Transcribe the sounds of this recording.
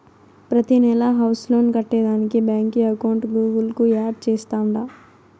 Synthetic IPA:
pɾɐt̪inɛlɐɦɐwsloːnkɐʈːeːd̪aːnikibjaːŋkiɐkɐwɳʈɡuːɡulkuaːɖt͡ʃɛːst̪aːuɳɖa

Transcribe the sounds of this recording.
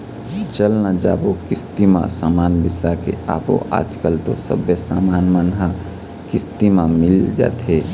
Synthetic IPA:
t͡ʃəlnad͡ʒa̰ːbokɪst̪imã̰saːmaːnbɪsakḛa̰ːbo̰ʔa̰ːd͡ʒkəlt̪o̰sə̰bjəsaːmaːnmanɦa | kɪst̪imãmɪld͡ʒa̰ːt̪ɦe

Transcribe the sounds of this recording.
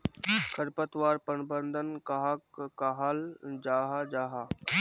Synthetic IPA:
kʰəɾpət̪ʋaːɾpənbə̃nd̪ʱənkaɦakːaɦald͡ʒaːɦad͡ʒaːɦa

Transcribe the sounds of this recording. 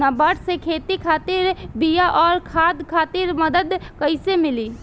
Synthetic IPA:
abaːʈsekʰeːt̪ikʰaːt̪iɾbijaʔɔːɾkʰaːd̪kʰaːt̪iːɾməd̪əd̪kəɪsemɪli

